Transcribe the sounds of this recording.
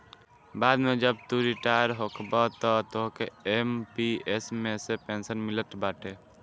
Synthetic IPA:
bad̪med͡ʒəb̚t̪uɾiʈajɾɦokʰbɔt̪ɔt̪oɦkeempiesmesepensənmilət̪baʈe

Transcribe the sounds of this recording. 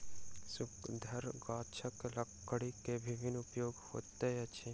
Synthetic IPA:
sʊkd̪ʱɐɾɡaːt͡ʃʰəklɐkːəɽikebʱiʋinupjoːɡho̰ːt̪eɐt͡ʃʰi

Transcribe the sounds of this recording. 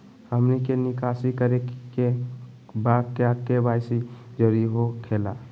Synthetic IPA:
həmnikenikasikəɾee | bakeakebajsid͡ʒəɾiɦokʰela

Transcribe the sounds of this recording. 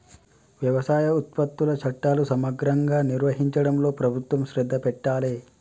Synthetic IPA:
ʋjɐʋɐsaːjɐut̪̚pɐt̪ːulɐt͡ʃʰɐʈːaːlusɐmɐɡɾɐŋɡaːniɾʋɐɦiɲt͡ʃɐɽɐmlo̞ːpɾɐbʱut̪ʋɐmʃɾɛd̪ʱːɐpɛʈːaːleː

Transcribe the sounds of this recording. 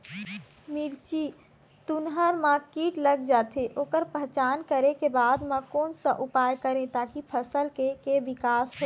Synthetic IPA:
miɾt͡ʃi | t̪unɦəɾmãkiʈləɡd͡ʒat̪ʰeʔokəɾpəɦt͡ʃankəɾekebad̪mə̃konsə̃ʔupajkəɾẽt̪akipʰəsəlkekeʋikasɦo

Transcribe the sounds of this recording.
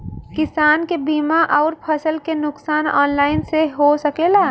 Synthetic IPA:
kɪsaːnkebiːmaʔɔːɾpʰɐsəlkenʊksaːnɔ̰ːnlaːɪnseɦosɐkeːlaː

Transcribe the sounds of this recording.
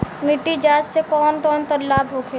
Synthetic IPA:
miʈid͡ʒaːd͡ʒsekɔːnk̪ɔːnt̪ɐɾlaːbɦoːkʰe

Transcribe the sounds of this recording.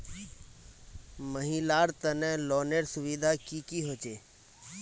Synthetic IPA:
məɦiːlaːɾt̪ənɛ̃ːloːneːɾsʊʋiːd̪ʱaːkiːkiːɦoːt͡ʃeː

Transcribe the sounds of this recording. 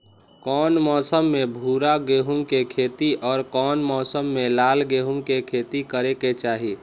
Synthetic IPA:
kɔːnmɔːsəmːebʱuɾaɡeɦumkekʰet̪iʔɔːɾkɔːnmɔːsəmːelalɡeɦumkekʰet̪ikəɾeket͡ʃaːɦi

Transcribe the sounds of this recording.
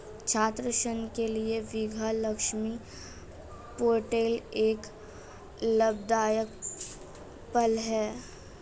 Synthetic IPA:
t͡ʃʰaːt̪ɾəʃənkelieʋiɡʱalɐkʃmi | poːʈeːleːk | ləbd̪aːjək | pɐlɦɛː

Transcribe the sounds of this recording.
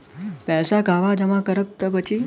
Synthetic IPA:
pɛsaɡʱaʋad͡ʒəmãkəɾəp̚t̪əpət͡ʃʰi

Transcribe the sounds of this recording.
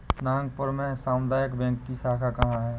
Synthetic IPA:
naːŋɡpəɾmẽsaːmd̪aːjəkbɛ̃ːŋkːisaːkʰakɐɦãɦɛː

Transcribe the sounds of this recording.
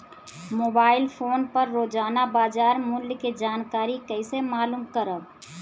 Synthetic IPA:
moːbaːɪlpʰoːnpəɾːoːd͡ʒaːnabaːd͡ʒaːɾmʊljked͡ʒaːnkaːɾikəɪsemaːluːmkəɾəb

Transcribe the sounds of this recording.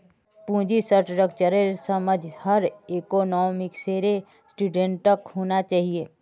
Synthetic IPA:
pũːd͡ʒisəɾʈɾəkt͡ʃəɾeɾsəməd͡ʒʱhəɾeːkoːnɔːmɪkseːɾe | sʈuːɖẽɳʈːəkɦoːnat͡ʃaːɦieː

